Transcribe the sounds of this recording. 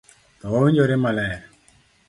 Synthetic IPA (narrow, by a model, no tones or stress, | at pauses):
t̪ɔwɔwiɲd͡ʒoɾemalɛɾ